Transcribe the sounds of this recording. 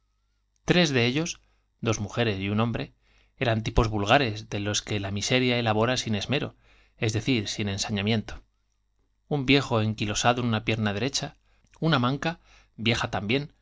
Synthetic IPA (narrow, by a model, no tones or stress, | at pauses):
t̪ɾe̞zðe̞eʎo̞s | d̪o̞zmuxe̞ɾe̞sjunõ̞mbɾe̞ | e̞ɾant̪̬ipo̞zβulɣaɾe̞zðe̞lo̞ske̞lamise̞ɾjae̞laβ̞o̞ɾasine̞zme̞ɾo̞ | e̞zðe̞θiɾsine̞nsaɲamjẽ̞nt̪o̥ | umbje̞xo̞e̞ŋkilo̞saðo̞enunapje̞ɾnaðe̞ɾe̞t͡ʃa | unamãŋka | bje̞xat̪ambje̞n